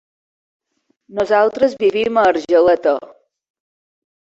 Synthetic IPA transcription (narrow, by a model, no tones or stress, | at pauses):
nuzalˠt̪ɾəzβiβiməːɾʒələt̪ə